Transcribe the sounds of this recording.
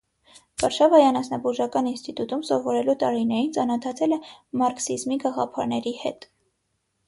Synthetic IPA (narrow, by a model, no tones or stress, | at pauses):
v̥ɑɾʃɑvɑjɑnɑsnɑbuʒɑkɑninst̪it̪ut̪umsɔvɔɾɛlut̪ɑɾinɛɾint͡sɑnɔt̪ʰɑt͡sʰɛlɛmɑɾksizmiɡɑʁɑ̰pʰɑ̰ɾnɛɾihɛ̰t̪